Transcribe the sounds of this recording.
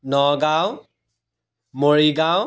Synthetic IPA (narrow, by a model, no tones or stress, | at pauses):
nɔɡaw | moɹiɡaw